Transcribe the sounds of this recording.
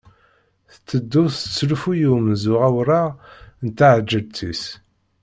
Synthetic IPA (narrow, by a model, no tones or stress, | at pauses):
θt͡sːəd̪ːʊθət͡sːlufujumzʊʁæwɾˤaʁnt̪aʕəd͡ʒːəlt͡s̪ʰis